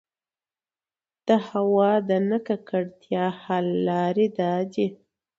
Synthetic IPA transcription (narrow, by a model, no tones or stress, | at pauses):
d̪̥əhawɑd̪ənəkakəɽt̪jɑhalːɑɾid̪ɑd͡ʒi